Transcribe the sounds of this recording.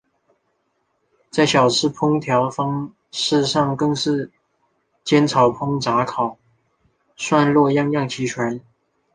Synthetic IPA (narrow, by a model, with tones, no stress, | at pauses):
t͡sa˥˩ɪɕjɑ˨˩ʊt͡sʰɻ̩˥˩pʰʊ˥ŋt̪ʰjɑ˧˥ʊfɑ˥ŋ | ʂɻ̩˥˧ʂɑ˥˧ŋkɤ˥˧ŋʂɻ̩˥˩ | t͡ɕjɛ˥nt͡sʰɑ˨˩ʊpʰʊ˥ŋʈ͡ʂa˧˥kʰɑ˨˩ʊ | swa˥˧nlwɔ˥˧jɑ˥˧ŋjɑ˥˩ŋt͡ɕʰi˧˥ʈ͡ʂʰwa˧˥n